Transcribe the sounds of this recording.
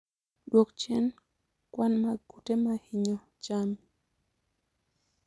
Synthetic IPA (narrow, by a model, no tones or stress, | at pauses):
dwokt͡ʃɛn | kwanmaɡutemahiɲɔ | t͡ʃam